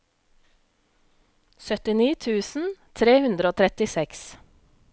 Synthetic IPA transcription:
sœt̪ɪniːt̪ʰʉːsn̩t̪ʰɾeːhʉnd̪ɾoːt̪ʰɾɛt̪ɪsɛks

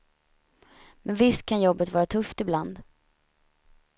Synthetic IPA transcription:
mɛnvɪst̪̚kʰanjɔbːət̪vɑːɾat̪ʰɵft̪ɪbland̪

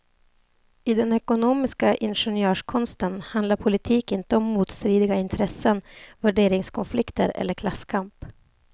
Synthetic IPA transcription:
ɪd̪ɛnɛkʊnoːmɪskaʔɪnɧɛnjøːʂkʰɔnst̪ənhand̪laɾpʰʊlɪt̪ʰiːkɪnt̪əɔmːuːt̪st̪ɾiːd̪ɪɡaɪnt̪ʰɾɛsːənvæɖeːɾɪŋskʰɔnflɪkt̪ə̰ɾɛ̰lːəɾkʰlasːkʰamp

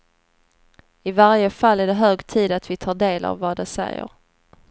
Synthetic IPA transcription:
ɪvaɾjəfalːæɖɛɦøːɡt̪ʰiːd̪at̪vɪt̪ʰɑːɖeːla̰vːɑd̪ɛsɛ̰jə̰ɾ

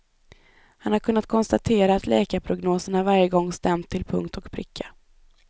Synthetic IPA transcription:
hanhaɾkʰɵnːat̪̚kʰɔnst̪at̪ʰeːɾaːt̪ʰlɛːkaɾpʰɾʊɡnoːsəɳaɾvaɾjəɡɔŋːst̪ɛmt̪ʰːɪlpʰɵ̰ŋkt̪ʰɔkpʰɾɪ̰kʰːa

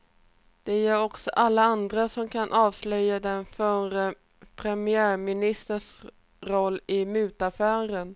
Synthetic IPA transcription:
d̪̥ɛjæɾɔksɔʔalːaand̪ɾasɔmkʰanʔɑːvslœjːad̪ɛnfœɾə | pʰɾɛmɪæːɾmɪnɪst̪əʂ | ɾɔlːɪmʉ̟ːt̪afæːɾən

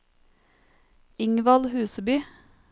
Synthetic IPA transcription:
ɪŋʋɑlhʉːsəbyː

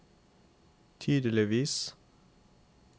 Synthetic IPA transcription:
t̪ʰyːd̪əlɪʋiːs

